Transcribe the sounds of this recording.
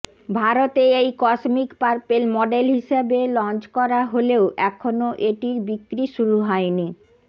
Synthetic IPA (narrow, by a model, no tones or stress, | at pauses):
bʱaɾot̪eejkɔsmikpaɾpelmɔɖelɦiʃebelɔnt͡ɕkɔɾaɦoleoʔɛkʰonoʔeʈiɾbikːɾiʃuɾuɦɔeni